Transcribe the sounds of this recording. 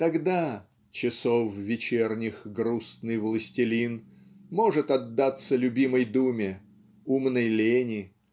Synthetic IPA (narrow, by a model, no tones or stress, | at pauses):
t̪ɐɡd̪a | t͡ɕɪsofvʲɪt͡ɕernʲɪxɡɾust̪nɨjvlˠəsʲtʲɪlʲin | mo̞ʐɨt̪ɐd̪ːat̪səlʲʊbʲiməjd̪umʲɪ | umnəjlʲenʲɪ